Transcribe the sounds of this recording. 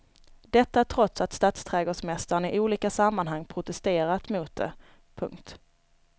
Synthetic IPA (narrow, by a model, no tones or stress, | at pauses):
d̪ɛt̪ːaæʈʰɾɔt̪sat̪st̪aːt̪st̪ʰɾɛːɡoːʂmɛst̪aɾəɳn̩ɪʔuːliːkasamːanɦaŋːpʰɾʊt̪ɛst̪eːɾat̪mʊt̪̚d̪ɛ̰ | pʰɵ̰ŋk̚t̪